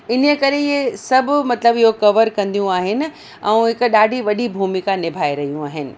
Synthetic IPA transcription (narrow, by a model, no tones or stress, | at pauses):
ɪnəkɐɾeiesɐbʱʊmɐt̪ləbɪɦokɐʋəɾkɐ̃nd̪ijũaːɦɪnɪ̆ | ɛ̃ũɦɪkɗaːɖʱiʋɐɗibʱuːmikanɪbʱaːeɾɐɦijũaːɦɪnɪ̆